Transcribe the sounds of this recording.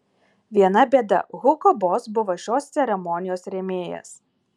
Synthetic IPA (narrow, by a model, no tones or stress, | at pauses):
ʋʲiɛnɐbʲeːd̪ɐ̰ɣʊkɔbɔːsbʊʋoʃʲoːst̪ʲsʲɛɾʲɛmɔnʲɪjoːsɾʲɛmʲeːjɛ̰s